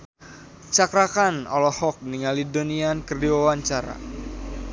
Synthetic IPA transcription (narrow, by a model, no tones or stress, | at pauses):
t͡ʃakɾakanɔ̰lɔhɔk̚niŋalidoniankərdiwawaɲt͡ʃaɾa̰